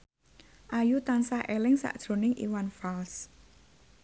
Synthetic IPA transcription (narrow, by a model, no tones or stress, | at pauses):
ʔajut̪ansahʔɛlɪŋsa̰ʔd̥ʒ̥ɾo̤nɪŋʔḭwanfals